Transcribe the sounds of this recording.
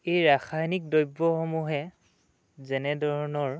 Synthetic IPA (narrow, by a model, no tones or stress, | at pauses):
ejɹaxʰajnik̚dɔjbːɔxɔmuɦɛ | zɛnɛdʱɔɹɔnɔɹ